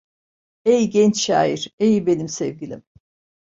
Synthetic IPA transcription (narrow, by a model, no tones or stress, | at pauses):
ejɟɛnt͡ʃʃa̰ːiɾ̥ejbe̞nimsɛvɡilʲḭm